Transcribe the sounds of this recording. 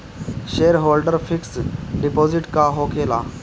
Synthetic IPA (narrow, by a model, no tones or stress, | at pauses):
ʃeːɾɦoːlɖəɾfʰɪksɖipoːzɪʈkaɦokʰeːla